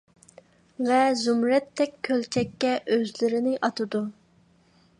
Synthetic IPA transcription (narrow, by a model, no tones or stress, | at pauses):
vɛzumɾɛt̪ʰːɛkʲʰːølt͡ʃʰɛkʲːɛʔøzlɪɾɪnɪʔɑt̪ɨd̪u